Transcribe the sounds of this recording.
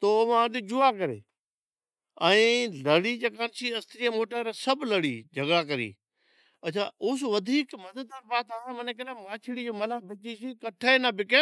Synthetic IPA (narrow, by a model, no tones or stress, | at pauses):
t̪oʋãd̪id͡ʑʊakɐɾḛː | ɛ̃ːlɐɽid͡ʑeːkaːnt͡ʃʰiɐst̪ɾiamoːʈəɾsɐblɐɽḭːd͡ʑʱɐɡɽakɐɾḭː | ɐt͡ʃʰaʊs̬ʋɐd̪ʱiːkmɐd̪əd̪əɾbaːt̪aːsẽmɐnekɪlamãːt͡ʃʰɪɽid͡ʑoːmɐlabɪt͡ʃisikɐʈʰənabɪke